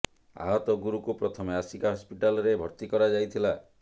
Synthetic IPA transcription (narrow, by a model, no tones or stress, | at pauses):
a̰ɦɔt̪ɔɡuɾukupɾɔt̪ʰɔmeasikaɦɔspiʈalɔɾebʱɔɾt̪ikɔɾad͡ʒajt̪ʰila